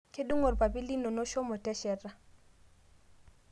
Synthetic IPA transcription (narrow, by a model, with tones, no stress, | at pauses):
ke˦ɗu˦ŋo˨rpa˨bi˦li˦no˨no˦ʃɔ˦mɔ˨tɛ˦ʃɛ˨ra˦